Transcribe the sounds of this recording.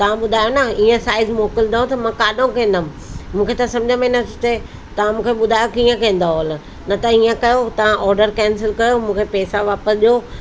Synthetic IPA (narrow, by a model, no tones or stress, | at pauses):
t̪ɐʋ̤ãɓʊd̪ʱaːjonaiːə̃saːɪzmoːkɪld̪aɦot̪ɐmãkaːɗõkɐ̃ːnd̪əm̃ | mũːkʰet̪asɐ̃md͡ʑʱəmẽnɐt̪ʰt̪e | t̪ɐʋ̤ãmũːkʰeɓʊd̪ʱaːjokiːə̃kɐ̃ːn̆d̪aɦol | nɐt̪ɐiːə̃kɐjot̪ɐʋ̤ãʔɔːɾɖəɾkɛ̃ːnsɪlkɐjomũːkʰepɛːsaʋaːpəsʄoː